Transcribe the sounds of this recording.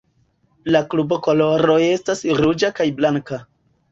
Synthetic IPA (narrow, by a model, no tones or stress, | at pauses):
laklubo̞ko̞lo̞ɾo̞e̞stasɾud͡ʒakajblaŋka